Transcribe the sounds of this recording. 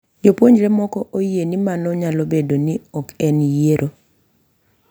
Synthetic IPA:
d͡ʒopwoɲd͡ʒɾɛmɔkɔʔojienimanɔɲalobedoniɔkɛnjeɾʔo

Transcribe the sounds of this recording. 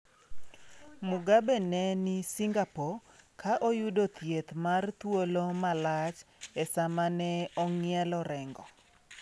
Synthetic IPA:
mʊɡabɛnɛnɪsiŋɡapokaʔojudot̪jet̪mart̪wolomalat͡ʃɛsamanɛɔŋɪɛlɔɾɛŋɡɔ

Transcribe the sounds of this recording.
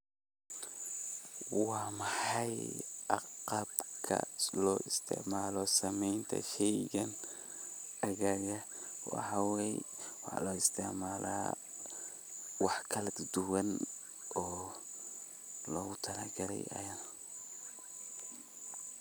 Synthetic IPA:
wɑːmɑħɑjʔɑqɑbkʰɐ̰lɔːʔɪst̪ʰɪ̰ʕmaːlɔsɐmɛjnt̪ʰɐ̰ʃɛjɣɐn | ɐɣaːɣɐwɑ̰ħɑwɛj̰wɑħlɔɪst̪ʰɪʕmaːlʔa̰ː | wɑħkʰɐlɐd̪d̪ʊwɐn | ɔː | lɔɣʊt̪ʰɐlɐɡɐɾɛ̰jʔɐ̰jɐn

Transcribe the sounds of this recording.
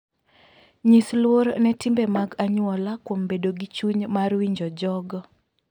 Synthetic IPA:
ɲislwoɾnɛtɪmbɛmaɡaɲʊɔlakwombedoɡit͡ʃuɲmarwiɲd͡ʒɔd͡ʒɔɡ

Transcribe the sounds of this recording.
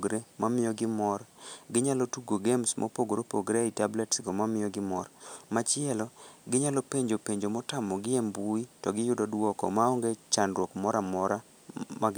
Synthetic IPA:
ɡɾemamɪjɔɡɪmɔrɡɪɲalɔtuɡoɡemsmʔɔ̰poɡoɾopoɡɾeitablɛtsɡomamɪjɔɡɪmɔrmat͡ʃɪɛlɔɡɪɲalɔpeɲd͡ʒopeɲd͡ʒomɔtamɔɡɪɛmbuitɔɡɪjʊdɔdwɔkɔ̰maoŋɡet͡ʃanrwɔkmɔɾamɔɾa | maɡ

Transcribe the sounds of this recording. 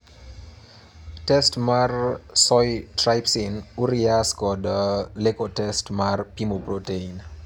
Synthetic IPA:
tɛstmarsɔjtrajpsinuɾiaskɔdəlekotɛstmarpimoprotein

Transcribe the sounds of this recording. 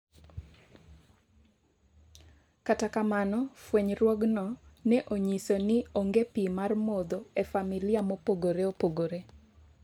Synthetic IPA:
katakamanɔfweɲɾwɔɡnɔnɛʔoɲisonɪoŋɡepimarmod̪oefamilɪamopoɡoɾeopoɡoɾe

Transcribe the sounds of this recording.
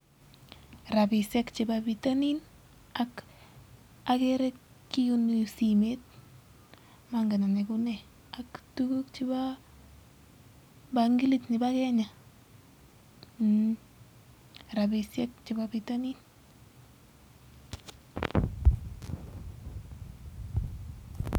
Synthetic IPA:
rabisɛkt͡ʃɪbabitanin | ak | akɛɾɛkː | ijunisimet̚ | maŋɡananɛkunɛ | aktukukt͡ʃiba | baŋɡilitnɪbakɛɲa | n | ɾabisjɛk̚t͡ʃɪbabitanin

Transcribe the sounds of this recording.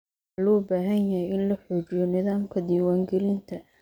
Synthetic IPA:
aluːbaːɦɐnjɐɦɛjɪnlɐħɔːt͡ʃɪjɔnɪðaːmkʰɐd̪iːwaːŋɡɛlɪnt̪ʰɐ

